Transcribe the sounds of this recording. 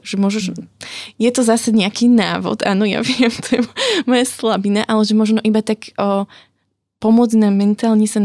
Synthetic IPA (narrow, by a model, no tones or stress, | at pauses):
ʒ̥ɛmʊɔʒɛʒ | jɛt̪ɔzasɛɲɛakinaːʋɔ̰t̪ʔaːnɔja̰ʋɪɛmt̪ɔjɛmɔjaslabinaʔalɛʒɛmɔʒnɔʔibat̪akː | pɔmʊɔd͡znamɛnt̪aːlɲɛsan